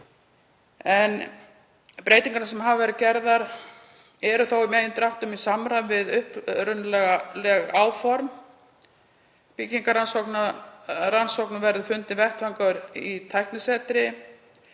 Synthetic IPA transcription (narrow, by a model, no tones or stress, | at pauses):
ɛn | pɾeːjt̪iŋkaɾnas̬ɛmɦavavɛːɾɪcɛɾðaɾ | ɛɾʏθowimɛːjðɪnt̪ɾawht̪ʏmisamɾanvɪðʏhpɾʏnːlɛɣalɛɣaːwfɔɾm | pɪcːiŋkaɾansɔknaɾansɔwknʏmvɛɾðʏfʏnt̪nɪvɛht̪faŋkaʏɾit̪ʰajhknɪsɛt̪ɾɪ